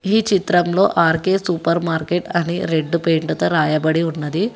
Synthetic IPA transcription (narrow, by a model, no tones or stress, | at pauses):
iːt͡ʃit̪ɾɐmlo̞ːʔaːɾkeːsupɐɾmaːɾkeʈɐnḭɾe̞ɖːupeːɳʈɐt̪ɐɾaːjɐbɐɽiunːɐd̪i